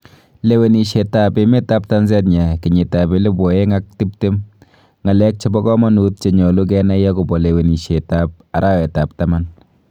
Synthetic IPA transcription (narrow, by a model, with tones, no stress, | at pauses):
le˨we˨ni˨ʃe˨ta˦˨pe˨˦me˦ta˦p̚ta˦nsɛ˦t̬̚ɲa˨ki˨ɲe˨ta˨be˦le˦bɔ˨e˦ŋa˦k̚ti˦p̚te˦m | ŋa˨lɛ˦k̚t͡ʃe˦bɔ˦kɔ˦mɔ˦nu˦t̚t͡ʃe˨ɲɔ˨lo˦k̬ɛ˦na˦jɛ˦ko˨bɔ˨le˨we˨ni˨ʃe˨ta˦p̚ | a˨ɾʔa˦wɛ˨ta˨p̚ta˦ma˦n